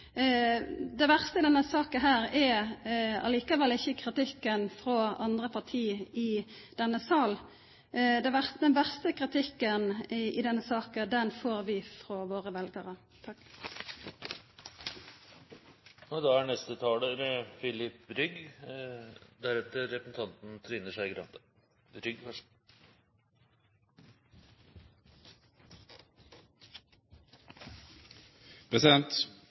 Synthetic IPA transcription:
d̪ɛɪʋæʁst̪əɪd̪ɛnːəsɑːkənɦæːʁɛ | ɑ̰liːkəʋɛlːɪçːəkʰʁɪt̪ɪkːənfʁɔɑnd̪ʁəpʰɑʁt̪ʰiːɪd̪̥ɛnːəsɑːl | d̪ɛʋæʁd̪ɛnʋæʁst̪əkʁɪt̪ʰɪkːənɪd̪ɛnːəsɑːkəd̪ɛnfoːʁʋɪfɾɔʋoːʁəʋɛlɡəʁə | ɔd̪ɑæɳɛst̪ət̪ʰɑːləɾfɪlɪpɾʏɡ | d̪æɾɛt̪əɾɛpəsn̩t̪ʰɑnt̪n̩t̪ʰɾɪnəʂæɪɡɾɑ̰nt̪d̪ə | ɾʏɡfœʂ | pʰɾɛsɪd̪ɛnt̪

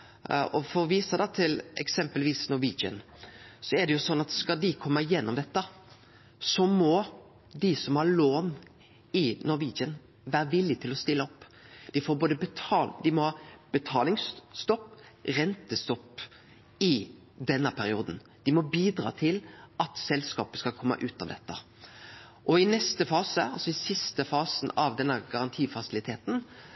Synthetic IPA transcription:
ɔfɔɾɔʋiːsəd̪ɑt̪ʰɪlɛ̰ksɛmpəlʋiːsnʊɾʋiːd͡ʒə̰nsɔɛd̪ɛjʊsɔnːɑt̪skɑd̪ɪkʰɔmːəɪjɛnːɔmd̪ɛt̪ːə | sɔmɔ | d̪ɪsɔmhɑɾloːn | ɪnɔʋiːd͡ʒən | ʋæːɾəʋɪlːɪt̪ʰɪlɔst̪ɪlːəɔpːd̪̥ɪfoːɾboːd̪əbət̪ʰɑːld̪ɪmɔhɑːb̥ət̪ʰɑːlɪŋsːt̪ɔpːɾɛnt̪əst̪ɔpː | ɪ | d̪ɛnːəpʰæɾɪuːd̪n | d̪̥ɪmɔbiːd̪ɾɑ̰ːt̪ʰɪlʔɑt̪sɛlskɑ̰ːpəskɑkʰɔmːə̰ʔʉːt̪ɑ̰ʋd̪ɛt̪ːə̰ | ʔɔɪnɛst̪əfɑːsəɑlsɔɪsɪst̪əfɑːsnɑʋd̪ɛnːəɡɑɾɑnt̪ʰiːfɑsɪlɪt̪ʰeːt̪n̩

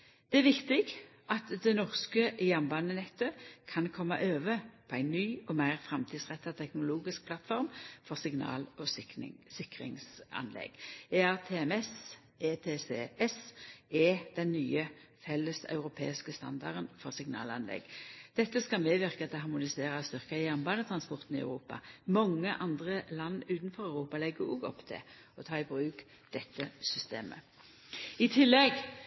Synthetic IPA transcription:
d̪̥ɛæʋɪkt̪ɪɡʔɑt̪d̪ɛnɔʁskəʔjɑmbɑnːənɛt̪ːəkʰɑnkʰɔmːɑ̰ʔøːʋəpʰɔæɪnːyːɔmæɪʁfʁɑmt̪ʰiːd̪sʁɛt̪ːɑt̪ʰɛknʊluːɡɪsk̚pʰlɑt̪fɔʁmfɔʁsɪɡnɑ̰ːlɔsɪkʁɪ̰ŋsɑ̰nlɛ̰ɡ̥eːæʁt̪ʰeːɛmɛs | eːt̪ʰeːseɛsɛd̪̥ɛnːyːəfɛlːəsɑ̰ʉʁʊpʰḛːɪskəst̪ɑ̰nd̪ɑ̰ʁənfɔʁsɪŋnɑ̰ːlɑnlɛ̰ɡd̪̥ɛt̪ːəskɑmeːʋɪʁkət̪ʰɛɦɑʁmʊnɪseːʁəst̪ʏʁkəɪjæʁnbɑːnət̪ʰɾɑnspɔʁt̪n̩ɪɑ̰ʉʁuːpɑ̰mɔŋːəʔɑnd̪ʁəlɑnːʉːt̪nfɔʁɑʉʁuːpɑlɛɡəʁuːɡɔ̰pːt̪ʰɛ̰ | ɔt̪ʰɑːɪbʁʉːk | d̪̥ɛt̪ːəsʏst̪ḛːmə̰ | ɪt̪ʰɪlːɛɡ

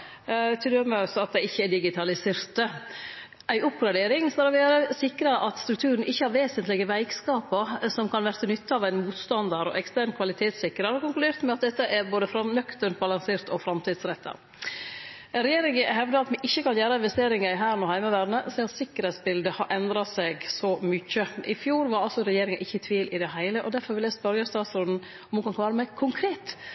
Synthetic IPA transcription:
t̪ʰɪd̪øməɑsɔɑt̪̚d̪ɛɪçːəɛɖɪɡɪt̪ʰɑlɪseːɾt̪ə | ʔæɪʊpːɡlɑɖeːɾɪŋskɑlɾɔʋeːɾəsɪkɾəʔɑt̪st̪ɾʉk̚t̪ʰʉːɾən̩ɪçːəhɑɾʋeːsənt̪lɪɡəʋæɪkskɑːpəsɔmkʰɑnʋæɾt̪ənʏt̪ːəɑʋæɪnmuːt̪st̪ɑnd̪əɾɔ̰ʔɛkst̪æːɾnkʰʋɑlɪt̪ʰeːt̪sɪkːɾəɾɔkʊŋklʉd̪eːɾt̪mɛɑt̪̚d̪ɛt̪ːəʔɛɾboːd̪əfɾɑmnœkt̪əɳbɑlɑŋseːɾt̪ɔfɾɑmt̪ʰiːd̪sɾɛt̪ʰːə̰ɾ | ɾɛjeːɾɪŋəɦɛʋd̪əɑt̪mɛʔɪçːəkɑnjæːɾəɪnʋɛst̪eːɾɪŋəɪɦæːɾnuːhæɪməʋæːɖ̪nəsɛɪɑt̪sɪkːəɾhɛɪt̪sbɪld̪əhɑɾʔɛnd̪ɾɑsɛɡsɔmʏçːəʔɪfjuːɾʋɑɾɑlsɔɾɛjeːɾɪŋənʔɪçːət̪ʰʋiːlʔɪd̪ɛhæɪləʔɔd̪æɾfɔɾʋɪljæsbœɾɡɛst̪ɑːt̪sɾʊnn̩ | ɔmhuːkɑnkʰlɑːɾəmæɪkʰʊŋkʰɾeːt̪

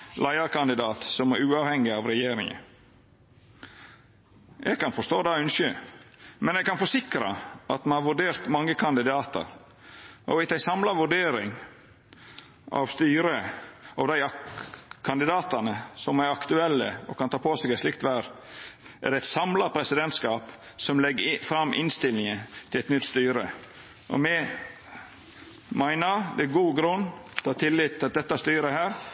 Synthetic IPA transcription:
læɪɑɾkɑnd̪ɪd̪ɑːt̪sɔmæɾʉːɑːʋhɛŋːɪɑʋɾɛjeːɾɪŋə̰ | jɛ̰ɡkʰɑnfɔʂt̪oːd̪ɑːʉnʃə | mɛnjɛɡ̚kɑnfɔsɪkɾɑ̰ʔɑt̪mɛnhɑɾʋʉɖeːɾt̪mɑŋːəkʰɑnd̪ɪd̪ɑːt̪ə̰ɾ | ʔɔ̰ʋɪt̪æɪsɑmlɑʋʉɖeːɾɪ̰ŋ | ɑ̰ʋst̪yːɾəɑʋd̪æɪ | kʰɑnd̪ɪd̪ɑːt̪ɑnəsɔmæɾɑkt̪ʉɛlːəɔ̰kʰɑnt̪ʰɑːpʰoːsɛɡæslɪkt̪ʋæɾ | ʔæ̰ɖɛɛɪt̪sɑmlɑpʰɾɛsɪd̪ɛnt̪skɑːp | sɔmlɛɡːəfɾɑmːʔɪ̰nst̪ɪlːɪŋət̪ʰɪlɛt̪nʏt̪ːst̪yːɾə̰ | ʔɔ̰mɛ | mæɪnəɾd̪ɛæɡuːɡɾʉnːt̪ʰhɑːt̪ʰɪlːɪt̪ʰːlɑt̪̚d̪ɛt̪ːɑst̪yːɾəhæːɾ

